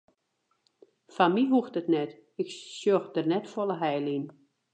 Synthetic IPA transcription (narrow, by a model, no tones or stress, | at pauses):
fanmiɦuxtətnɛt | ɪksjoxdərnɛtfolˠəɦɛjlin